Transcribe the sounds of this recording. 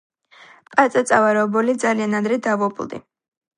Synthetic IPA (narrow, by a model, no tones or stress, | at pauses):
pʼat̪sʼat̪sʼavaɾɔɔbɔlid̪zalianad̪ɾɛd̪avɔpʼlˠd̪ḭ